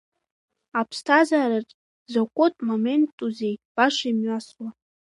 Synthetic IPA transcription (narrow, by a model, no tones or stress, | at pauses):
apʰstʰazaːɾɨrtʼ | zakʷʼotʼmome̞ntʼːuze̞jb̥aʂaimɥaswa